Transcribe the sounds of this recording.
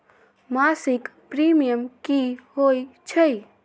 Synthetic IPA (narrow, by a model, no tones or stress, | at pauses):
masikpɾimijəmkihojt͡ʃʰə